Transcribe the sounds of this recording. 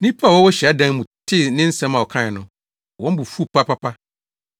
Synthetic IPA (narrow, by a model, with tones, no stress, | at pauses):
nĩ˦pʰa˦˨wɔ˦wɔ˦ɕi˨a˦dã˦ŋ˦mũ˨tʰɪ˦nɪ̃˦n̩˦sɛ̃˦mã˨wɔ˨kʰã˦˨ɪ˨nʊ̃˨ | wɔ̃˦m˦bu˨fu˦˨pʰa˦pʰa˦pʰa˦